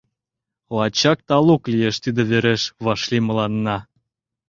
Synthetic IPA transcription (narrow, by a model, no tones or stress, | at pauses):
lɑt͡ɕɑk̚t̪ɑluklijeʃt̪id̪ĕβeɾeʃβɑʃlimɤ̆lɑnːɑ